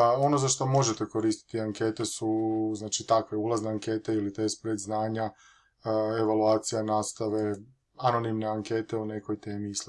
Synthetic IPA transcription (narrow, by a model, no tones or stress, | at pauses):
o̞no̞zaʃt̪o̞mo̞ʒet̪e̞ko̞ɾist̪i̥t̪iaŋke̞ːt̪e̞suznaːt͡ʃit̪akʋe̞ulˠazneaŋke̞ːt̪e̞ilit̪espɾed̪znaːɲa | e̞ʋaluaːt̪sijanaːst̪aʋe̞ | ano̞nimne̞aŋke̞ːt̪e̞une̞ko̞jt̪eːmiis